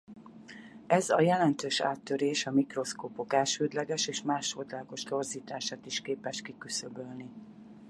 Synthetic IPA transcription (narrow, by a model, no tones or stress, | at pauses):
ɛzɒjɛlɛnt̪øːʃa̰ːt̪ːøɾeːʃɒmikro̞skoːpo̞kɛlʃøːd̪lɛɡɛʃeːʃmaːʃot̪laːko̞ʃt̪o̞rziːt̪aːʃaːt̪iʃkeːpɛʃkikysøbølni